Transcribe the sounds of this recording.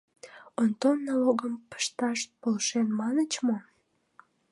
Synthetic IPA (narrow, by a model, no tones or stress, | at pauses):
ont̪onːɑloɣəmpə̥ʃt̪ɑʃpolʃenmɑnət͡ɕmo